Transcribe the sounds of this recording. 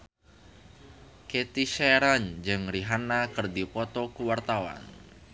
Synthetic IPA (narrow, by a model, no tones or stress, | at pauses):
ket̪iʃeɾaɲd͡ʒɨŋɾiɦanakɨrdipɔt̪ɔkuwart̪awa̰n